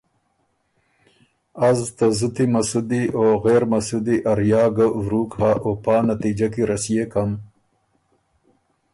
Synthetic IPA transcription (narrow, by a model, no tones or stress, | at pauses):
azt̪azut̪imɐsud̪ioːɣeːɾmɐsud̪iʔɐɾjɑːɡawɾuːkhaʔopaːnat̪id͡ʒakiɾɐsijekam